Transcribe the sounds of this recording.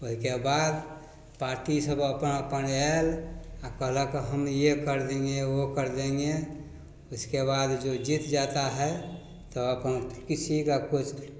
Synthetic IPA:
oɦikebad̪ | paːɾʈisəbəpənəpənɛlakəɦləkɦəmjekəɾd̪ẽŋɡeokəɾd̪ẽŋɡe | ʊskebad̪d͡ʒod͡ʒit̪d͡ʒat̪aɦɛ | t̪ɔəpnkisʰikakut͡ʃʰ

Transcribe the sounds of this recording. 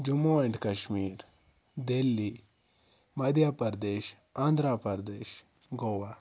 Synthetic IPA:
d͡ʒumoːɐɳʈkɐʃmiːɾ | d̪elːi | mɐd̪ʱjaːpɐɾd̪eːʃ | ãːnd̪ʱɾaːpɐɾd̪eːʃ | ɡoːʋaː

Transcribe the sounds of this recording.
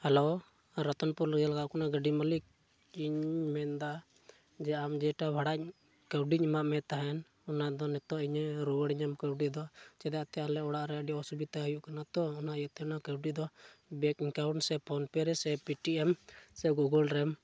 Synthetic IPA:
hɛlo | ɾat̪ɔnpɔɾlɡalaɡaʔkanaɡəɖimalik̚ | iɲmɛnd̪a | d͡ʒɛamd͡ʒɛʈabʱaɽac̚ | kəwɖiɲmaʔmɛt̪aɦɛn | ɔnaʔd̪ɔnɛt̪ɔʔiɲɾuwəɽiɲamkəwɖid̪ɔt͡ʃɛd̪at̪ɛalɛɔɽaʔɾɛəɖiɔsubit̪aɦəjuʔkanat̪ɔːnaʔjɛt̪ɛnakəwɖid̪ɔbɛkiŋkawɳsɛpʰɔnpɛɾɛsɛpiʈiʔɛmsɛɡuɡɔlɾɛm

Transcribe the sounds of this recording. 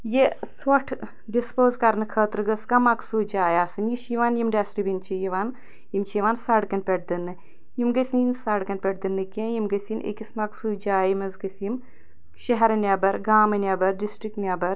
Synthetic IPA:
jesʋɐʈʰ | ɖispoːzkɐɾnɨkʰɐːt̪ɾɨɡɐskɐmɐksuːd͡ʒaːjaːsɨnjiʃiʋaːnjimɖʲaːsɾibint͡ʃʰijiʋaːn | jimt͡ʃʰiʋaːnsaɽkɐnpʲeʈ̚d̪ɨnːɨ | jimɡɐsʲinsaːɽkɐnʲpʲeʈ̚d̪ɨnːɨkʲẽjimɡɐsʲinʔḛkʲismɐksuːd͡ʒaːjimɐzɡɐsjim | ʃɐɦɐɾɐnʲabɐɾɡaːmɐnʲɐbɐɾɖisʈɾik̚ʈnʲabɐɾ

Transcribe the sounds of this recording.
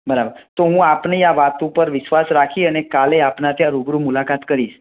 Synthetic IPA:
bəɾabəɾt̪oɦũapneaʋat̪upəɾʋɪʃʋasɾakʰiənekaleapnat̪jãɾuɡɾumulakat̪kəɾiʃ

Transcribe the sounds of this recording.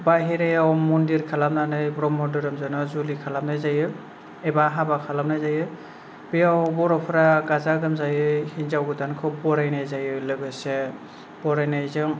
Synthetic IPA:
baɦiɾajawmɔndiɾkʰalamnanɯjbɾɔmɔdɯɾɯmzɯnɔzulikʰalamnajzajɯ | ebaɦabakʰalamnajzajɯ | bejawbɔɾɔpʰɾaɡazaɡɯmzajɯhinzawɡɯdankʰɔbɔɾajnajzajɯlɯɡɯse | b̥ɔɾajnajzɯŋ

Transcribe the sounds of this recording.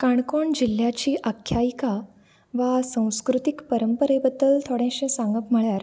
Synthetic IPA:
kaɳkoɳd͡ʑil̤jat͡ɕiːʔəkʰːjaika | ʋasə̃w̃skɾut̪ikpəɾəmpəɾebəd̪ːəlt̪ʰoɽẽɕẽsãŋɡəpm̤əɭjaɾ

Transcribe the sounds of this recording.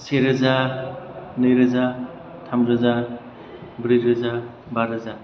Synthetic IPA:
seɾɯza | nɯjɾɯza | tʰamɾɯza | bɾɯɾɯza | baɾɯza

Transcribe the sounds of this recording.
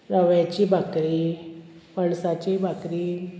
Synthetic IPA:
ɾəʋjat͡ɕibʱakɾi | maɳsat͡ɕibʱakɾi

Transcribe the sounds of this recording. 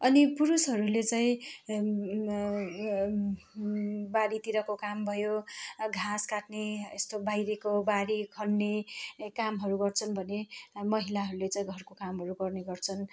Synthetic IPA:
ʌnipuɾusɦʌɾulet͡saĩ | baɾit̪iɾʌkokambʱʌjoɡʱaskaʈneest̪obajɾekobaɾikʰʌɳːekamɦʌɾuɡʌrt͡sʰʌnbʱʌnemʌɦilaɦʌɾulet͡saĩɡʱʌrkokamɦʌɾuɡʌrneɡʌrt͡sʰʌn

